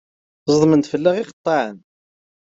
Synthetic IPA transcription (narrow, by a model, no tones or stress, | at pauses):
zˤəðˤmənt̪fəlːæʁɪqət̪ˤːɑʕən